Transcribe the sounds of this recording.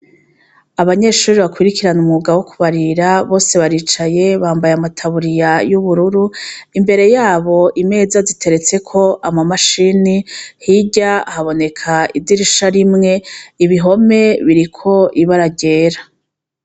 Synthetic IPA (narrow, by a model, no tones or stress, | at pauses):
aβaɲe̞ʃuːɾiβakwiɾikiɾanumuɡawokuβaɾiɾaβo̞ːse̞βaɾiːt͡ʃaje̞βaːmbajamatʰaβuɾijajuβuɾuɾuimbe̞ɾe̞jaːβo̞ʔime̞ːzazitʰe̞ɾe̞t͡se̞kʰo̞ʔamamaʃinihiɟaahaβo̞ne̞kʰaidiɾiʃaɾimŋe̞iβiɦo̞me̞βiɾikʰo̞ʔiβaɾaɟe̞ːɾa